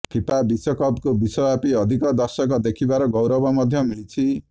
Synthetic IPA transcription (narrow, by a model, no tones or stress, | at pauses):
pʰipabisʌkʌbkobisʌbapiʌd̪ʱikʌd̪ʌrsʌkɔd̪ekʰibaɾɔɡʌwɾʌbɔmʌd̪ʱjʌmilt͡sʰi